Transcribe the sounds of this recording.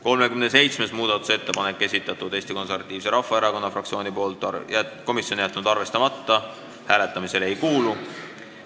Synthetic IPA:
ko̞lmekymnese̞jt̪sme̞smuːd̪̥ɑt̪ːˑu̥se̞t̪ːe̞pɑnekːe̞sit̪ːˑɑt̪ːˑud̪e̞ːsʲt̪iko̞nse̞rvɑt̪ːˑiːv̥se̞ɾɑfːɑeɾɑko̞nːɑfrɑkt̪sio̞ːnʲipo̞ːlt̪ːˑjæko̞misjo̞njæt̪ːˑnud̪ɑrve̞st̪ɑmɑt̪ːɑ | hæːle̞t̪ːˑɑmise̞le̞jkuːlu

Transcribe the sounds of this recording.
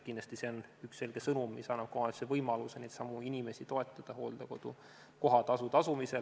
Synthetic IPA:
kind̪lɑst̪ise̞onyksːe̞lɡ̥e̞sɤnumːisɑnːɑb̥̚kohɑnd̪ɑsevɤjmɑlusenet̪sɑmuinʲime̞sit̪o̞e̞t̪ˑːɑd̪̥ɑɦo̞̰ːld̪̥ɑko̞d̪̥u | ko̞ɦɑt̪ɑsut̪ɑsumise̞

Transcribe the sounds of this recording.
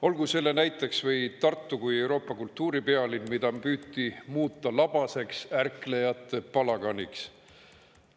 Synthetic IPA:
o̞lɡ̥use̞lːe̞næjt̪ːˑe̞ksvɤjt̪ɑrt̪ːukuje̞wɾo̞ːpːˑɑkult̪ːuːɾipeɑlinmid̪̥ɑpyːt̪ːimuːt̪ːɑlɑb̥ɑse̞ksærkle̞jɑt̪ːˑe̞pɑlɑɡɑnʲiks

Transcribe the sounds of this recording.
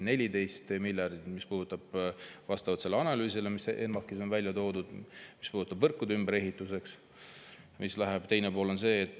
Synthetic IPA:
nelʲid̪e̞jst̪milʲjɑrd̪it̪mispuːd̪ut̪ːˑɑb̥vɑst̪ɑvɑt̪se̞lːeɑnɑlyːsilemisʔenmɑkːˑiso̞nvælʲjɑt̪o̞ːd̪ud̪̥mispuːd̪ut̪ːɑbvɤrkːˑud̪eymbeɾe̞ɦit̪ːˑus̬e̞ks | mislæɦeb̥t̪e̞jne̞po̞ːlo̞nse̞ːt̪ː

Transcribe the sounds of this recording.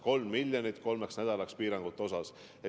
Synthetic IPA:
ko̞lmːilʲjonit̪ːˑko̞lme̞ksnæd̪̥ɑlɑkspiːɾɑŋɡ̥ut̪ːˑo̞sɑs | e

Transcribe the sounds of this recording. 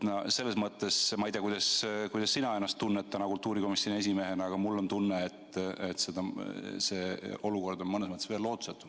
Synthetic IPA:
nɑse̞lːe̞smɤt̪ːˑe̞smɑijd̪ʲeɑkujd̪ɑskujd̥̪ɑsːinɑe̞nːɑst̪ːunːet̪ːɑnɑkult̪ːuːɾiko̞misone̞s̬ʲime̞ɦe̞nɑɡ̥ɑmulːo̞nt̪unːeet̪ːet̪se̞d̪̥ɑse̞o̞luko̞rd̪o̞nmɤnesmɤt̪ːˑesve̞ːlːo̞ːt̪u̥set̪ːud̥̪

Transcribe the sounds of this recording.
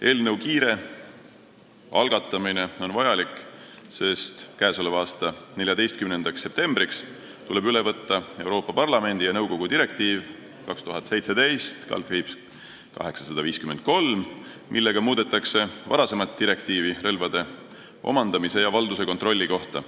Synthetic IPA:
e̞ːlnɤwkiːɾe̞ | ɑlɡ̥ɑt̪ːˑɑmine̞o̞nvɑjɑlikˑse̞st̪kæːsolevɑːst̪ɑne̞ljɑd̪e̞jst̪̚kymnend̪̥ɑksːe̞p̚t̪e̞mbɾiks | t̪ule̞byle̞vɤt̪ˑːɑe̞wɾo̞ːpːɑpɑrlɑme̞nʲd̪̥ijɑnɤwɡo̞ɡ̥ud̪iɾe̞k̚t̪iːv | kɑkst̪uɦɑt̪se̞jt̪se̞d̪̥e̞jst̪kɑ̰lriːps | kɑ̰ɦe̞ksɑ̥sɑd̪̥ɑviːskyme̞nd̪̥̚ko̞lm | mʔilːe̞ɡ̥ɑmuːd̪̥e̞t̪ːˑɑkse̞vɑ̰ɾɑse̞mɑt̪̚t̪ːiɾe̞kt̪iːvirɤlvɑd̪̥e̞ | o̞̰mɑnd̪ɑmise̞jɑvɑld̪use̞ko̞nt̪rolʲːiko̞ht̪ɑ̰

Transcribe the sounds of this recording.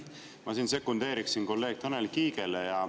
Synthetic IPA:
mɑsiːnse̞kːund̪̥e̞ːɾiksinko̞lːe̞ːɡ̥̚t̪ʰɤnelkiːɡ̥elejɑ

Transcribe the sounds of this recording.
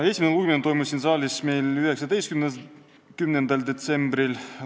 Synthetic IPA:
e̞sʲimeeluɡment̪o̞jmusʲinsɑːlʲisme̞jlyɦe̞ksɑd̪e̞jskymne | kymnend̪ɑld̪e̞t̪se̞mbɾil

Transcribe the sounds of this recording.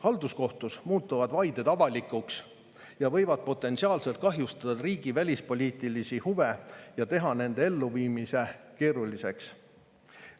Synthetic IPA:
hɑld̪usko̞ht̪usmuːt̪ːˑuvɑd̪̥vɑjd̪̥e̞d̪ɑvɑlʲikːˑuks | jɑvɤ̞jvɑd̪̥̚po̞t̪ːˑe̞nsiɑːlse̞lt̪̚kɑɦjust̪ɑd̪̥ɑɾiːɡ̥ivælʲispo̞lʲiːt̪ːˑilisihuve̞jɑt̪e̞ɦɑne̞nd̪̥e̞e̞lːuviːmise̞keːɾulise̞ks

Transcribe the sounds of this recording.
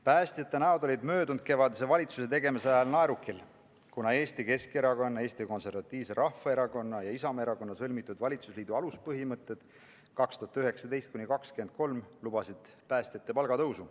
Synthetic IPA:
pæːst̪ʲjɑt̪ːˑe̞næo̞d̪o̞lʲid̪mø̞ːd̪und̪̥̚ke̞vɑd̪es̬e̞vɑlʲit̪suse̞t̪e̞ɡe̞miseɑjɑlnɑeɾukːˑil | kunɑe̞ːst̪ike̞ske̞ɾɑko̞nːɑe̞ːst̪iko̞nse̞ɾvɑt̪ʲːˑiːvseɾʔɑhfɑe̞ɾɑko̞nːɑjɑisɑme̞ɾɑko̞nːɑsɤlmit̪ːˑud̪vɑlʲit̪susliːd̪uɑluspɤɦimɤt̪ːˑe̞d̪̥ | kɑkst̪uɦɑt̪yɦe̞ksɑd̪e̞jst̪̚kunʲikɑkskend̪̚ko̞lmlub̥ɑsid̪̥ | pæːsʲt̪ʲjɑt̪ːe̞pɑlɡ̥ɑt̪ɤwsu

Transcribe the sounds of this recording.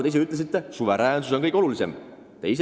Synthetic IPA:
t̪ejs̬eyt̪les̬it̪ːˑesuve̞ɾæːnsuso̞nkɤjko̞lulise̞̰m | t̪e̞is

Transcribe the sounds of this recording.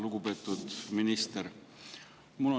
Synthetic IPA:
luɡ̥upe̞ːt̪ˑːud̪̥minist̪eɾ | mulo

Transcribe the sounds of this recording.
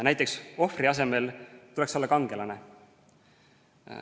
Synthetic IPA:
næjt̪ːˑekso̞friɑs̬e̞me̞lt̪ule̞kso̞lːɑkɑŋɡ̥e̞lɑne

